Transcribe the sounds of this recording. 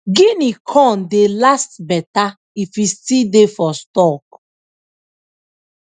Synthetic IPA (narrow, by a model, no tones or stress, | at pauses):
ɡĩnikʰɔ̃ndelastbɛta | ifistidefɔstɔk